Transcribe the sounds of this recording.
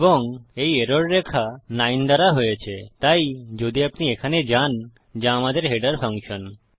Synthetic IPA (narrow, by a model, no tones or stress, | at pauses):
bɔŋejeɾoɾːekʰanajnd̪aɾaɦojet͡ʃʰet̪ajd͡ʒod̪iapniekʰaned͡ʒan | d͡ʒãːmad̪eɾɦeɖəɾpʰaŋkʃɔn